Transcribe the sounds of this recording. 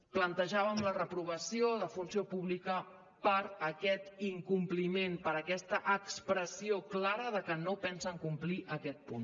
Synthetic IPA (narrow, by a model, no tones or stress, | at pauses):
plənt̪əʒaβəmlərəpɾuβ̞əsioðəfunsiopuβlikə | pəɾəkɛt̪iŋkumplimenpəɾəkɛst̪əʔəkspɾəsioklaɾəðəkənopɛnsəŋkumpliʔəkɛt̪̚pun